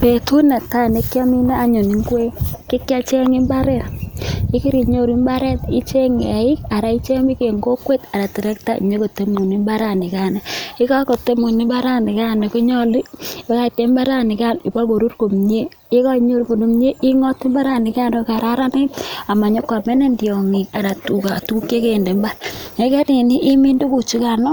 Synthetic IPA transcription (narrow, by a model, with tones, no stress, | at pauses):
pe˨tu˦na˨ta˦˨ne˨˦kja˦mi˦na˦a˦ɲo˨ni˨ŋɡwe˦kɪ˦kja˦t͡ʃe˦ŋi˦mba˦ɾe˦ɾɪ˦ki˦ɾi˨ɲo˦ɾi˦mba˦ɾɛ˦ti˦t͡ʃe˦ŋ̰˨a˨i˦ka˨ɾa˦i˦t͡ʃe˦mi˦ke˨ŋɡo˦kwe˦ta˨ɾa˨tɪ˨ɾɛ˦kta̰˦˨ɲo˦ko˨te˦mu˨ni˦mba˦ɾa˦nɪ˨ka˨nɛ˨ɪ˦ka˦ko˨te˦mu˨ni˦ba˦ɾa˦nɪ˨ka˦ne˨ko˦ɲɔ˦li˦e˦ka˨te˦mba˦ɾa˦nɪ˨ka˦ni˨ba˦bo˨ɾu˦rko˨mɲe˦ | i˦ka˦i˨ɲo˦ɾi˨po˨nu˨mɲe˦ʔi˦ŋɔ˦ti˦mba˦ɾa˦ni˨ka˦no˨˦ka˨ɾa˦ɾa˦ni˦a˨ma˨ɲo˦kwa˨me˦ne˦ndi˨ɔ˨ŋi˨ka˨ɾa˨tu˨ka˨tu˦ku˦kje˦ke˨nde˨mba˦lŋe˨˦ke˦ni˨ni˦ʔi˦mi˦ndu˦ku˨t͡ʃi˦ka˨nɔ˦